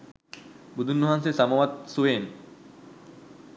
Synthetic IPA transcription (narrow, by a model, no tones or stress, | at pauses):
bud̪ʱunːoɦansesamomat̪̚suen